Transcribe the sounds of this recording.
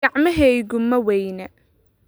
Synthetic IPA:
ɐʕmɐɦɛɣʊmɐwɛjnɐ

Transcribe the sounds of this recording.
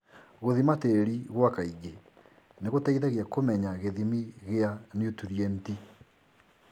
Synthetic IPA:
ɣoðimateɾiɣwakaiɡe | neɣotaiðaɣiakomɛɲaɣeðimiɣeanjotuɾiɛnti

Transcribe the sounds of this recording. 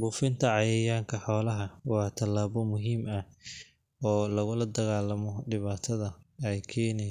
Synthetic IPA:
buːfɪnt̪ʰɐʕɑjɛjaːŋkʰɐħɔːlɐɦɐwɑːt̪ʰɐlːaːβɔmʊɦiːmɐ | ɔːlɐɣʊlɐd̪ɐɣaːlɐmɔɖɪβaːt̪ʰɐðɐɛjkʰɛːnɛ

